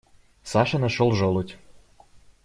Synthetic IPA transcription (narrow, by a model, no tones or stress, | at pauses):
sɑʃɤ̆nəʃolˠʒolˠut̪ʲ